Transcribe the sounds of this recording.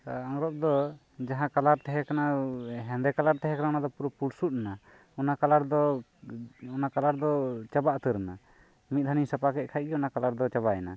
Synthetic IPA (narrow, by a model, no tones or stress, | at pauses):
aaŋɾɔp̚d̪ɔ | d͡ʒaɦãkalaɾt̪ɛɦɛkanaɦɛnd̪ɛkalaɾt̪ɛɦɛ̃kananad̪ɔpuɾupulsut̪̚na | ɔnakalaɾd̪ɔ | ɔnakalaɾd̪ɔt͡ʃabaʔt̪əɾna | mit̪̚ˀd̪ʰʱanisəpakɛʔ̚ˀkʰaj̚ɡɛɔnakalaɾd̪ɔt͡ʃaβaɛna